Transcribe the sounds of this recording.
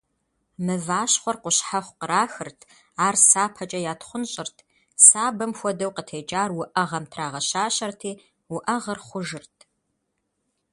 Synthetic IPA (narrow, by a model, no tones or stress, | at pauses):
mɨvaːɕχʷɔrqʷʊɕħaχʷqəɾaːxɨrtʰ | aːrsaːpʰɐt͡ʃʼɐjaːtχʷʊnɕʼɪrtʰ | saːbɐmxʷɔdɐwqətʰeːd͡ʒʼaːrwʊʔɐʁɐmtʰraːʁɐɕaːɕɐrtʰiː | wʊʔɐʁɐrχʷʊʒɨrtʰ